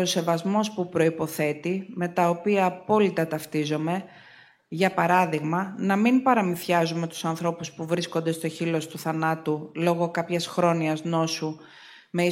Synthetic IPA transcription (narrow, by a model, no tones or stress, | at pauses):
ose̞vɐzmo̞spupɾo̞ipo̞θe̞t̪ime̞t̪ɐopiɐːpo̞lit̪ɐt̪ɐft̪izo̞me̞ | ʝɐpɐɾɐðiɣmɐnɐminpɐɾɐmiθçɐzume̞t̪u̥sɐnθɾo̞puspuvɾisko̞nd̪e̞st̪o̞çilo̞st̪uθɐnɐt̪ulo̞ɣo̞kɐpçɐsxɾo̞niɐzno̞su | me̞i